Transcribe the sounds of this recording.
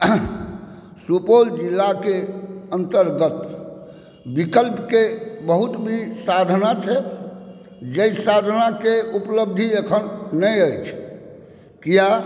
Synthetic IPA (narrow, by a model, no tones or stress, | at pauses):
supold͡ʒilːakeənt̪əɾɡət̪ | bikəlpkebəɦut̪bʱisad̪ʱnat͡ʃʰɛ | d͡ʒeisad̪ʱnakeupləb̚d̪ʱiekʰənnəjəjt͡ʃʰ | kija